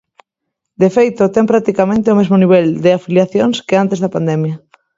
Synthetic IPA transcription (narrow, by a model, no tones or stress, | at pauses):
d̪efejt̪ot̪ɛŋpɾak̚t̪ikamẽnt̪eomezmoniβ̞ɛld̪eafiljaθjoŋskeant̪ezðɐpand̪ɛmjɐ